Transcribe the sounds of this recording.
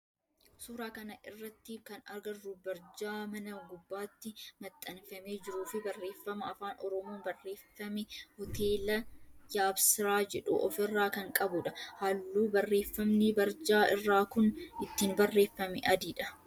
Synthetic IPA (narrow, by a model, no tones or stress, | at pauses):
suːɾaːkɐnɐʔɪrːɐt̪ːɪkɐnɐɾɡɐrːuːbɐɾd͡ʒaːmɐnɐɡʊbːaːt̪ːɪmɐt̪ʼːɐnfɐmeːd͡ʒɪɾuːfɪbɐrːe̞ːfːɐmɐɐfaːnʔɔɾɔmoːnbɐrːe̞ːfːɐmɪhɔt̪ʰe̞ːlɐjaːbsɪɾaːd͡ʒɛᶑṵʔɔfɪrːaːkɐŋkʼɐbʊᶑɐhalːuːbɐrːe̞ːfːɐmnɪbɐɾd͡ʒaːʔɪ̰rːaːkʊnɪt̪ːiːnbɐrːe̞ːfːɐmɛʔɐd̪iːᶑɐ